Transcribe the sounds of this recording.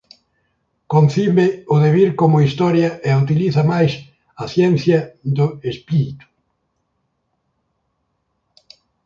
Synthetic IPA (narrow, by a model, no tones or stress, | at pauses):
konθiβɪʊðeβiɾkomʊist̪ɔɾjɐʔeut̪̬iliθɐmajs | ɐθjɛn̟θjɐd̪ʊespiɾit̪u̥